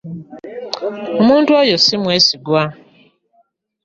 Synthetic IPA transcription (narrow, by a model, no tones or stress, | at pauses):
omuːntuojosimweːsiɡwa